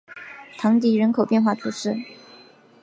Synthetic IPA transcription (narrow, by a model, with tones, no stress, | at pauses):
t̪ʰɑ˧˥ŋt̪i˧˥ɻə˧˥nkʰo˨˩ʊpjɛ˥˧nxwa˥˩t̪ʰu˧˥ʂɻ̩˥˩